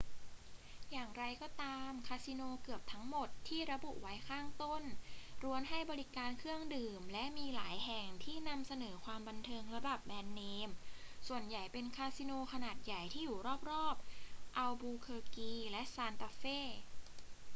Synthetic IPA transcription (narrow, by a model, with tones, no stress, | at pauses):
jaː˨˩ŋɾa˧jkɔː˥˩t̪aː˧mkʰaː˧si˧noː˧kɯ˨˩əp̚t̪ʰa˦˥ŋmo˨˩t̪ʰːiː˥˩ɾa˧bu˨˩ʔwa˦˥jkʰaː˥˩ŋt̪o˥˩nɾu˧ənɦa˥˩jbɔː˧ɾi˦˥kaː˧nkʰɯ˥˩əŋdɯː˨˩mlɛ˦˥ʔmiː˧laː˩˦jɦɛ˨˩ŋt̪ʰiː˥˩na˧msa˧nɤː˩˦kʰwaː˧mba˧nt̪ʰɤː˧ŋɾa˧ba˨˩p̚mɛː˧nːeː˧msu˨˩ənja˨˩jpe˧nkʰaː˧si˧noː˧kʰa˧naː˨˩t̪̚ja˨˩jt̪ʰiː˥˩juː˨˩ɾɔː˥˩p̚ɾɔː˥˩p̚ʔa˧wbuː˧kʰɤː˧kiː˧lɛ˦˥ʔsaː˧nt̪a˧feː˥˩